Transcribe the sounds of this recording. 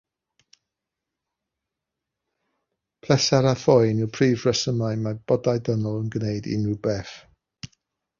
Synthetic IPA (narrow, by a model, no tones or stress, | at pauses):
pʰlɛsaɾaθɔjnɪwpʰriːvrəsəmaɨmab̥ɔdajdənɔlˠənɡnejdɪ̰nubɛf